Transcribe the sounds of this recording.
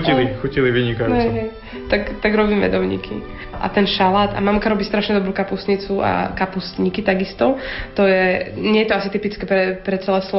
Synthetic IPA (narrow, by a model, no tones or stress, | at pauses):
ilixuciliʋiɲikajuɛɦɛj | t̪akt̪aɡɾɔbiːmɛ̰d̪ɔʊɲḭkʰḭ | ʔa̰t̪ɛnʃalaːd̪a̰mamkaɾɔbiːst̪ɾaʃɲɛd̪ɔbɾuːkapusɲit͡sua̰kapusɲikit̪aɡist̪ɔt̪ɔjɛɲɪɛjɛt̪ɔasit̪ipit͡skɛpɾɛpɾɛt͡sɛlɛslɔ